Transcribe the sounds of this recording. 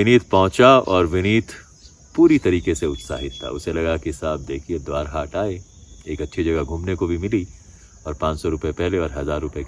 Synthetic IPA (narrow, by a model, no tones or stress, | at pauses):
ɪniːt̪ʰpɔɦʊ̃t͡ʃaɔːɾʋɪniːt̪ʰ | puːɾit̪ɐɾiːkeseʊt̪sa̰ːɦɪt̪ʰːa̰ʊ̰selɐɡakisaːb̚d̪eːkʰied̪waːɾɦaːʈaːe | eːkɐtːʃʰid͡ʒɐɡaɡʱuːmnekobʱimɪli | ɔːɾpãːt͡ʃsɔɾʊpepɛɦleɔːɾɦɐzaːɾːʊpe